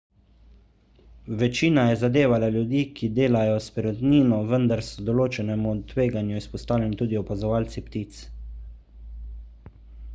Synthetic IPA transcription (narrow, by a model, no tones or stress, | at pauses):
ʋɛt͡ʃiːnajɛzad̪eːʋalaljud̪iːkid̪eːlajɔspiɾɔt̪niːnɔʋənd̪aɾsɔd̪ɔloːt͡ʃɛnɛmut̪ʋeːɡanjuispɔst̪aːwlɛnit̪uːd̪iɔpazɔʋaːlt̪sipt̪iːt̪s